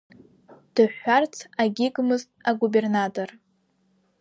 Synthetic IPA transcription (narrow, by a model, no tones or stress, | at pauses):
d̥ɨħːart͡sʰaɡʲiɡʼmɨztʼaɡubernatʼor